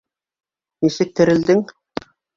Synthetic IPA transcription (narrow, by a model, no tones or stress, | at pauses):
nisɘk̚t̪ɘ̆ɾɘ̆ld̪ɘŋ